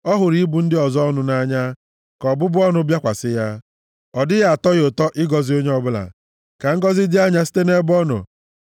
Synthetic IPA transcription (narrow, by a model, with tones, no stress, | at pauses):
ɔ˦ɦʊ˨ɾi˦bu˨n̩˦dɪ˦ɔ˨zɔ˦nʊ˨na˦ɲa˦ | kɔ˨bʊ˦bʊ˦ɔ˦nʊ˦bja˦kʷa˨sɪ˦ja˦ | ɔ˨dɪ˦ɣa˦a˨tɔ˦ɣʊ˨tɔ˦ʔɪ˦ɡɔ˨zi˨˦o˦ɲe˦ɔ˦bʊ˦la̰˨ | ka˨ŋ̩˦ɡɔ˦zɪ˦dɪ˦a˦ɲa˦si̥˦te˦ne˦bʊ˦ɔ˦nʊ̰˨